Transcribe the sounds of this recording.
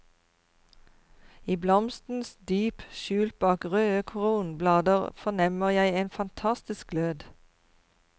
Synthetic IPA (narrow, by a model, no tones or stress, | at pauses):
iːblɔmst̪n̩sd̪yːpʃʉːlt̪̚bɑːkʁøːəkʰʊʁuːnblɑːd̪əʁfɔnɛməʁjæɪeːnfɑnt̪ʰɑst̪ɪsk̚løːd̪